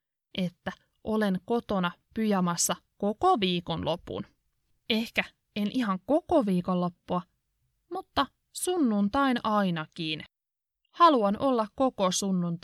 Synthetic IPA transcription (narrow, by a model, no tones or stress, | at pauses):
ʔet̪ːæ | ʔole̞ŋko̞t̪onɑpyjæmɑsːɑkokoʋiːkonlʔopṵn | e̞hkæ | enʔihɑŋko̞koʋiːkollopːuɑ | mut̪ːɑ | sunːunt̪ɑinɑjnɑkiːn | hɑluɑnʔolːɑkkokosunːunt̪